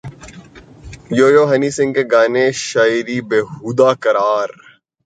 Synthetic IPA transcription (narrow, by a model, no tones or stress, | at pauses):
joːjoːɦɐniːsɪ̃ŋɡkeɡaːneʃaːiɾiːbeːɦuːd̪aːkɐɾaːɾ